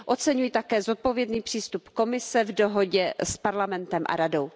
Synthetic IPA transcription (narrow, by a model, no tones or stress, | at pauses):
ʔo̞t̪t͡sɛɲujit̪akɛːzo̞t̪̚po̞vjɛdniːpr̥iːst̪upko̞mɪsɛvdoɦo̞ɟɛspaɾlamɛnt̪ɛmʔa̰ɾado̞w